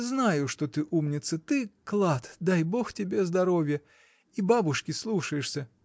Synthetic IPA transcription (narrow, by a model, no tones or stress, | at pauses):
znajʊʂt̪ot̪ɨʔumnʲɪt̪sət̪ɨklˠat̪d̪ajbo̞xtʲɪbʲe̞zd̪ɐɾovʲjə | ibabʊʂkʲɪslˠuʂəjɪʂsʲə